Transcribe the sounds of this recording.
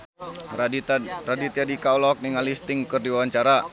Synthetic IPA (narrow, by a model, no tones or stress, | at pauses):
radit̪iadikaɔlɔk̚niŋalist̪ɪŋkɨrdiwawaɲt͡ʃaɾa